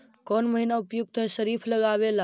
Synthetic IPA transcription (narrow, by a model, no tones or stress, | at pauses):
kɔnməɦinaʊpjuɡ̚t̪ʰəeʃəɾiːpʰləɡaʋela